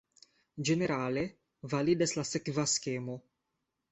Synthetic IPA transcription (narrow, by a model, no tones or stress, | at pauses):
d͡ʒeneɾaːle | valid̪eslasekvaskeːmo